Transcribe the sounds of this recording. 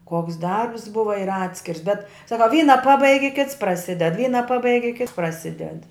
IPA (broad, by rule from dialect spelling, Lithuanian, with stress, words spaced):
ˈkoːks ˈdɐrps ˈbʊʋɐ ɪr ˈɑːtʲsʲkʲɪrs bʲɛt ˈsɑːkɐ ˈʋʲiːnɐ ˈpɑːbɐɪɡʲɪ ˈkʲɪts prɐˈsʲɪdʲɛt ˈʋʲiːnɐ ˈpɑːbɐɪɡʲɪ ˈkʲɪts prɐˈsʲɪdʲɛt